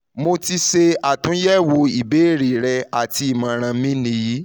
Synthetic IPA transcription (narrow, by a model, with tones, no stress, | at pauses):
mo˧ti˧ʃe˧a˦˨tũ˨˦jɛ˦˨wo˧i˨be˨˦˨ɾi˨ɾɛ˧a˨ti˧i˦˨mã˨˧˦ɾ̃ã˧mĩ˦nĩ˧˦ji˨˦